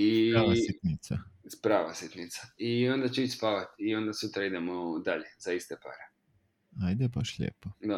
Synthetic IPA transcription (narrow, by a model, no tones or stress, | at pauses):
iait̪nit̪saspɾaːʋa̰sit̪nit̪sḁio̞nd̪at͡ɕeit͡ʃspaʋat̪io̞nd̪asut̪ɾaid̪e̞mod̪aʎe̞z̥aist̪epa̰ɾe | ajd̪ɛbaʃʎḛːpod̪a